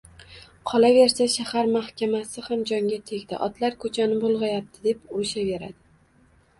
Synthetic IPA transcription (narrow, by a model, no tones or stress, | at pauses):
qʰɒlave̞ɾsaʃahaɾmahkʲʰamasɪhamd͡ʒɒŋɡʲat̪ʰe̞ɡʲd̪ɪ̰ʔɒt̪laɾkʰɵt͡ʃʰanɪbolˠʁɑjap̚t̪ʰɪd̪e̞pʊɾɪʃave̞ɾa̰d̪ɪ